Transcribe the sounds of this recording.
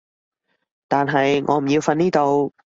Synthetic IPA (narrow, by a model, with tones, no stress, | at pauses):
t̪aː˨nɦɐ˨jŋʔɔ̰ː˨˧m̩˨˩ji˧wfɐ˧niː˥t̪o˧w